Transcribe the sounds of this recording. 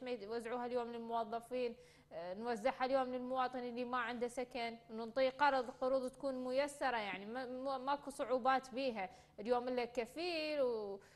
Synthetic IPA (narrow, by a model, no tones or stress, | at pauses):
mawazːʕuːhaljoːmlɪlmʊwɑðˤːɑfiːn | nwazːɪħhaljoːmlɪlmʊwɑːt̪ˤɨnɪlːimaʕɪnd̪asakanwnʊnt̪ˤiːqɑɾˤd̪ˤlqʊɾuːd̪ˤt̪ḁkuːnmʊjasːɑɾˤɑjaʕnimamakusˤʊʕuːbɑːt̪biːɦa | ɪljoːmʔɪlːakafiːɾw